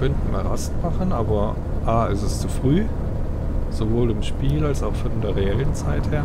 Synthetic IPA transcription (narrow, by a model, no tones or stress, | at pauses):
œntən̩ma̰ʁastmaχənʔaːbɐ | ʔaːɛstɛst͡sufʁ̥yː | z̥ovoːlɪmʃpiːlalsaʊxfɔndeːɐʁeɛlənt͡saɪtheːɐ